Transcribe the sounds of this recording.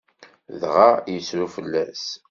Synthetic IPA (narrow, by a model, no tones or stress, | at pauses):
ðʁajəsɾufəlːæs